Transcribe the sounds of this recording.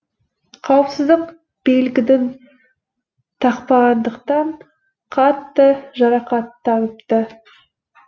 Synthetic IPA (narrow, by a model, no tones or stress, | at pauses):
qʰɑwəpsəzd̪əq | b̥elɡʲɪd̪ɪn | t̪ʰɑqpɑʁɑnd̪əqt̪ɑɴ | qʰɑt̪ːəʒɑɾɑqɑt̪ːɑnəpt̪ə